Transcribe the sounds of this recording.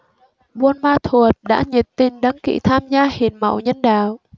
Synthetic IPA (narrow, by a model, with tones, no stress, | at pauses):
ɓu˧ənmaː˧t̪ʰu˨˩ət̚ɗa̰ː˧˥ɲi˨˩t̚t̪i˧nɗa˨˦ŋkḭ˧˨t̪ʰaː˧mzaː˧hi˨˩ənmə̰˧˨wɲə˧nɗaː˧˨w